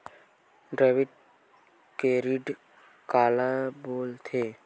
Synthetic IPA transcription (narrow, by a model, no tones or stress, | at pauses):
ɖɾeːʋɪʈ̚ | keɾiɖ | kaːlaboːlt̪ʰeː